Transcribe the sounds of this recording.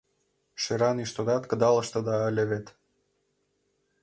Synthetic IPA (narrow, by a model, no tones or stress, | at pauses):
ʃeɾɑniʃt̪od̪ɑt̪kə̆d̪ɑlɤ̆ʃt̪ɤ̆d̪ɑə̆lʲeβet̪